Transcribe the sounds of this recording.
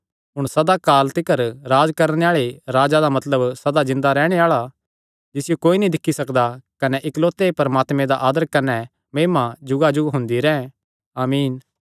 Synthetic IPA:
ɦʊɽ̃sɐd̪akaːlt̪ɪkəɾɾaːd͡ʒkɐɾɽ̃eaːɭeɾaːd͡ʒad̪amɐt̪ləbsɐd̪azɪ̃nd̪aɾɛːɽ̃eaːɭa | d͡ʒɪsɪjokoːinĩd̪ɪkʰːisɐkd̪akɐnɛʔɪkloːt̪epɐɾɐmaːt̪mɛ̃d̪aʔaːd̪əɾkɐnɛ | mẽːmad͡ʒʊɡad͡ʒʊɡɦʊ̃nd̪iɾɛ̃ | aːmiːn

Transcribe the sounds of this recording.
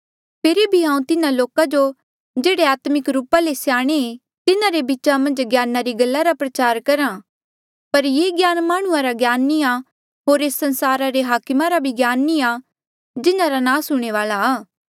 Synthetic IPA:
pʰeːɾebʱiɦãːũt̪ɪnaloːkad͡ʒo | d͡ʒeːɽeaːt̪mɪkɾuːpalesjaːɽ̃ee | t̪ɪnaɾebit͡ʃamɐ̃nd͡ʒɡjaːnaɾiɡɐlːaɾapɾɐt͡ʃaːɾkɐɾã | pɐɾjeːɡjaːnmaːɽ̃ũãɾaɡjaːnːia | ɦoːɾeːsːɐ̃nsaːɾaɾeɦaːkmaɾabʱiɡjaːnːia | d͡ʒɪnaɾanãːsʊɽ̃eʋaːlaː

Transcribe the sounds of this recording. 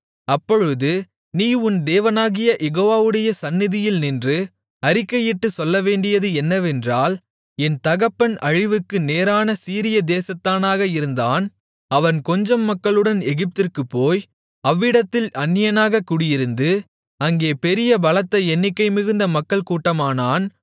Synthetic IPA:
ɐpːɔɻɯðɯ | niːʊnd̪eːʋɐnaːɣɪjɐʔɛɣoːʋaːʋɯɽɐjɐsɐnːɪðɪjɪlnɪndrɯ | ɐɾɪkːɐjɪʈːɯsɔlːɐʋeːɳɖɪjɐðɯɛnːɐʋɛndraːl | ɛnt̪ɐɣɐpːɐnɐɻɪʋɯkːɯneːɾaːnɐsiːɾɪjɐd̪eːsɐt̪ːaːnaːɣɐɪɾɯnd̪aːn | ɐʋɐnkɔɲd͡ʒɐmːɐkːɐɭɯɽɐnɛɣɪp̚t̪ɪrkɯpːoːj | ɐʋːɪɽɐt̪ːɪlɐnːɪjɐnaːɣɐkːʊɽɪjɪɾɯnd̪ɯ | ɐŋɡeːpɛɾɪjɐbɐlɐt̪ːɐɛnːɪkːɐɪmɪɣɯnd̪ɐmɐkːɐɭkuːʈːɐmaːnaːn

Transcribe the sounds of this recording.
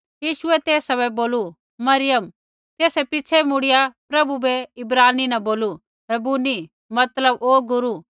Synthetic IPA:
jiːʃʊɛt̪eːsɐbɛboːlu | mɐɾɪjəm | t̪eːsɛpɪt͡ʃʰɛmʊɽɪjapɾɐbubɛɪbɾaːninɐboːlu | ɾɐbuni | mɐt̪ləboːɡʊɾu

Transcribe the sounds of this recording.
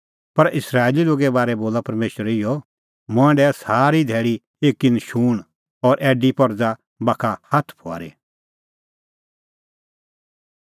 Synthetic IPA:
pɐɾɪsɾaːeːliloːɡɛbaːɾɛboːlapɐɾmeːʃəɾɪjɔ | mʊ̃ɛ̃ɳɖɛsaːɾid̪ʱɛːɭi | eːkːinʃuːɽ̃ | ɔːɾʔɛːɖipɔɾd͡za | baːkʰahat̪ʰpʰoa̰ːɾḛ

